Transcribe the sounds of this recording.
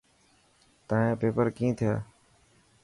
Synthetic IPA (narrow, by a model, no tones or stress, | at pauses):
t̪ãːɦẽːpeːpəɾkĩːt̪ʰɪjaː